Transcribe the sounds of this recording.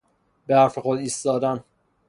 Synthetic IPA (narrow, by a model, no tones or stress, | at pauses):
behæɾfexod̪iːst̪ɒːd̪æn